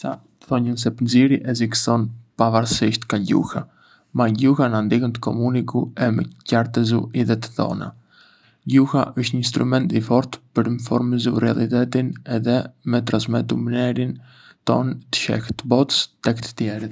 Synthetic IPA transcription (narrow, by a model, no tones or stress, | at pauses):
sa | θɔɲəns̬ɛpənziɾiʔɛziksɔnpavaɾsiʃt̪kaɟṵha | maɟuhanand̪ikənt̪ə̥kɔmunikuɛmə̰caɾt̪ɛzuʔiðɛt̪ə̥ðɔ̰na̰ | ɟuha̰ʔəʃt̪ɲəinst̪ɾumɛnt̪ifɔɾt̪pəɾinfɔ̰ɾməzurɛa̰lˠit̪ɛt̪inɛðɛmɛt̪ɾansmɛt̪umnɛɾin | t̪ɔ̰nt̪ə̥ʃɛ̰kt̪əbɔt̪ə̥st̪ɛkt̪ə̥t̪jɛɾit̪